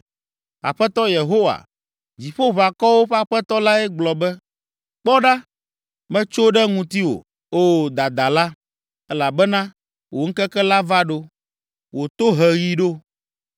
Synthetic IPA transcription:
a̰˨ɸɛ˦t̪ɔ˦je˨ɦo˦wa̰˨ | d͡ʑi˨ɸo˦βa˨kɔ˦wo˦ɸa˨ɸɛ˦t̪ɔ˦la˦ɛ˦ɡ͡blɔ˨bɛ˦ | k͡pɔ˦ɖa˦ | mɛ̃˦t͡ʃo˦ɖɛ˦ŋũ˦t̪i˦wo̰˨ | o˦˨d̪a˨d̪a˨la˦ | ɛ˦la˨bɛ˦nã˦ | wo˨ŋ̩˦kɛ˦kɛ˦la˦va˦ɖo˦ | wo˨t̪o˦ɦɛ˨ɣi˨ɖo˦

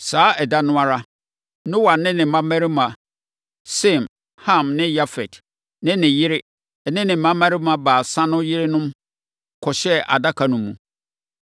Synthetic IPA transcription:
saː˨˦ʔɛ˨da˦nʊ̃˦a˦ɾa˦ | nʊ̃˦wa˨nɪ̃˦nɪ̃˨m̩˨mã˦mæ˦ɾi˦mã˨ | sẽ˦˨m | hã˦˨mnɪ̃˦ja˦fɛ˨d | nɪ̃˦nɪ̃˨jɪ˦ɾɪ˦˨ | nɪ̃˦nɪ̃˨m̩˨ã˦mã˦ɾɪ˦mã˨baː˨sã˦nʊ̃˦jɪ˦ɾɪ˦nʊ̃˦m | kʰɔ˨ɕɛ˦ʔa̰˨da˦kʰa˨nʊ̃˨mːũ˨

